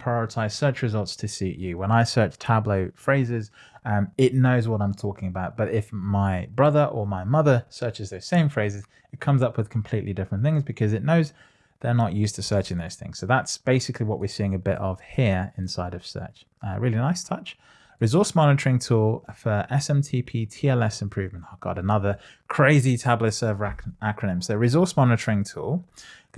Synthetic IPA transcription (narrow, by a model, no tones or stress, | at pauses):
pʰɹ̥aɪɔɹɨtʰaɪz̥sɜˑ˞t͡ʃɹɨzʌlˠtstʰɨsiʔjɨwə̃naɪsɜ˞t͡ʃtʰabləʊfɹeɪzɪz | mɪʔⁿnoʊzwɒɾãɪ̃mtʰɔkɪ̃ŋəbaʊt̚b̥ʌɾɪfmaɪbɹʌðə˞ʔəmaɪmʌðə˞sɜˑ˞t͡ʃɨzðəʊz̥sẽɪ̃ɱfɹeɪzɨz | ɪt̚kʰʌ̃mzʌpʰwɨð̥kʰm̩pʰl̥iʔlidɪfɹə̃nθɪ̃ŋzbɨkʰʌzɨtⁿnoʊz | ðə˞nəʔjʉˑstʰəsɜˑ˞t͡ʃɪ̃ŋðoʊz̥θɪ̃ŋz̥soʊðætsb̥eɪsɪkʰliwɒʔwɪsiɪ̃ŋəbɪ̰ɾəv̥hiəɹɪ̃nsaɪɾʌv̥sɜ̰ˑt͡ʃ | ɹɪːlinaɪstʰʌt͡ʃ | ɹɨzɔˑsmɑnɪtəɹɪ̃ŋtʰulˠfə˞ɛsɛ̃mtʰiːpʰiːtʰiɛlɛsɪ̃mpʰɹ̥ʉvmə̃ntaɡ̥ɑ̰ɾənʌðə | kʰɹ̥eɪzitʰablətsɜ˞və˞ʔakʰɹ̥ənɪ̃mzsəʊɹɪzɔˑsmɒnɪtəɹɪ̃ŋtʰulˠ